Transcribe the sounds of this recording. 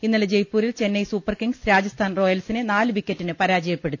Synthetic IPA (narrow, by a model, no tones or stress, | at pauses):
inːɐled͡ʑe̞jpːuːɾilt͡ɕe̞nːɐjsuːpːɐrkiŋɡsɾaːd͡ʑɐst̪ʰaːnro̞ːjɐlsinenaːlɨʋikʲːɐtːinɨpɐɾaːd͡ʑɐjɐpːe̞ɽut̪ːi